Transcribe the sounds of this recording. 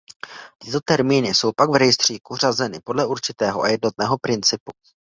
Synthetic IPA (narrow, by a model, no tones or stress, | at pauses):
t̪ɪ̥t̪o̞t̪ɛɾmiːnɪso̞wpaɡvɾɛjɪst̪r̝̥iːkur̝azɛnɪpo̞dlɛʔuɾt͡ʃɪt̪ɛːɦoʔa̰jɛdno̞t̪̚nɛːɦo̞pɾɪnt͡sɪpu̥